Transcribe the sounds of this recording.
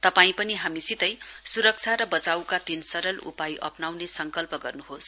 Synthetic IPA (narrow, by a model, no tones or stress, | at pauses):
t̪ʌpaĩpʌniɦamisit̪ʌjsuɾʌk̚t͡sʰaɾʌbʌt͡sawkat̪insʌɾʌlṵpajʔʌ̰pnawnesʌŋkʌlpʌɡʌrnuɦos